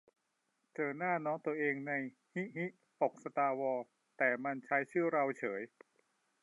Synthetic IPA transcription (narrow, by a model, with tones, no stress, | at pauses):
t͡ɕɤː˧naː˥˩nɔː˦˥ŋt̪u˧ɐʔeː˧ŋna˧j | hi˦˥hi˦˥ʔ | po˨˩k̚sa˧t̪aː˧wɔː˧ | t̪ɛː˨˩ma˧nt͡ɕʰa˦˥jt͡ɕʰɯː˥˩ɾa˧wt͡ɕʰɤː˩˦j